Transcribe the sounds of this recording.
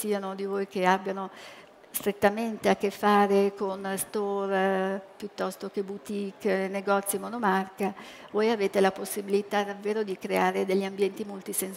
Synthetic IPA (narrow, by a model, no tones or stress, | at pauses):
siːanod̪ivojk̟eabːjano | st̪ɾet̪ːament̪eakːefːaːɾekonst̪orpjut̪ːɔst̪ok̟ebut̪ikːneɡɔt̪sːjiemonomarkavojaveːt̪elaposːibilit̪ad̪avːeːɾod̪ikɾeaːɾed̪eʎːiambjɛnt̪imolt̪isen